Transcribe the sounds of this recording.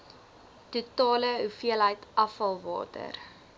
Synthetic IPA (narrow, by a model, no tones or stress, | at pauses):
tutɑːləɦufiəlɦəjtɐfɐlˠvɑ̰ːtə̰r